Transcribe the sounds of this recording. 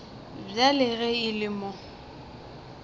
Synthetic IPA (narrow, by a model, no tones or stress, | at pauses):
bjalɪɣɛɪlɪmʊ